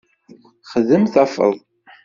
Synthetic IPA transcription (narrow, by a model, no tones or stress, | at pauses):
χəðəmθæfə̰ðˤ